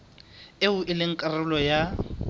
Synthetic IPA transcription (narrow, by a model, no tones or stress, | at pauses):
eʊʔɪlɪŋ̩kʼarʊlɔja